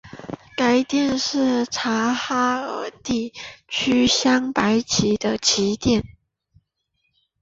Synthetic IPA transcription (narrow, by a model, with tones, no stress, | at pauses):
ka˧˥ɪt̪jɛ˥˧nʂɻ̩˥˩ʈ͡ʂʰa˧˥xa˥ə˧˥t̪i˥˩t͡ɕʰy˥ɕjɑ˥ŋpa˧˦ɪt͡ɕʰi˨˥d̪ə˧t͡ɕʰi˧˥t̪jɛ˥˩n